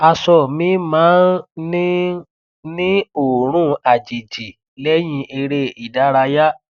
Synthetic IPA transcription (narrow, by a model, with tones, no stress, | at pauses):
a˧sɔ˨mĩ˨˦mãː˨˦nnĩ˦ | nĩ˦o˦˨ɾ̃ũ˦a˨d͡ʒi˨d͡ʒi˨ | lɛ˦j̃ĩ˧ʔe˧ɾe˦i˨da˨˦ɾa˧ja˦